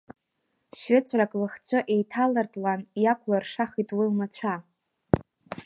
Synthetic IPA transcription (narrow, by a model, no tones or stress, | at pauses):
ʃɪt͡sʷʰʼrakʼlɨχt͡ɕʷʰɨʔe̞jtʰalɨrtʼlanjakʷʰʼlarʂaχitʼwilmat͡ɕʷʰa